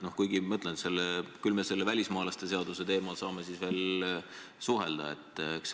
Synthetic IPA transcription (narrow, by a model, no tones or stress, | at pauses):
no̞hkujɡimɤt̪lent̪se̞lːekylme̞se̞lːevælʲismɑːlɑst̪e̞se̞ɑd̪use̞t̪e̞ːmɑlsɑːme̞sisve̞ːl | suɦeld̪̥ɑ̰e̞t̪ːˑeks